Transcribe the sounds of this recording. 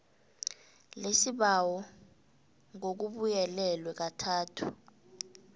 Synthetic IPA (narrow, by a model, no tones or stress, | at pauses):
lesiɓawɔ | ŋok̬uɓujɛlɛlwɛk̬atʰaːtʰu̥